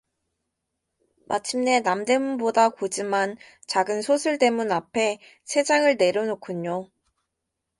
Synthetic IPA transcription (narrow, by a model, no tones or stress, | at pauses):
mʔa̰t͡ɕʰimne̞namde̞munbodakod͡ʑiman | t͡ɕaɡɯnsʰosʰuɭde̞munapʰe̞ | sʰe̞d͡ʑaŋɯɭne̞ɾjʌnokʰuɲo